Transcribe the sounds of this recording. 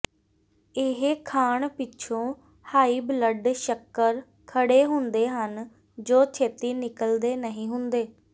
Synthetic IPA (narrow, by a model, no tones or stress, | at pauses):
ɪɦkʰaːɳpɪt͡ʃʰõː | haːiːbləɖʃəkːəɾ | kʰəɽeːɦʊnd̪eːɦən | d͡ʒoːt͡ʃʰeːt̪iːnɪkəld̪eːnəɦĩːɦʊnd̪eː